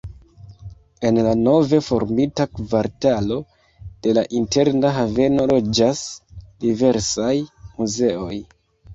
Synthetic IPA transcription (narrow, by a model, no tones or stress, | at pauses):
e̞nlano̞ve̞fo̞̰ɾmitakvaɾtalo̞ | d̥e̞laʔinte̞ɾnaɦave̞no̞ɾo̞d͡ʒasdive̞ɾsajmuze̞o̞j